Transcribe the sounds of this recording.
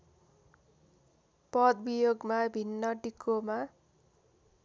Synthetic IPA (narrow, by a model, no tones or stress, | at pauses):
pʌd̪bijoɡmabʱinːʌɖikːoma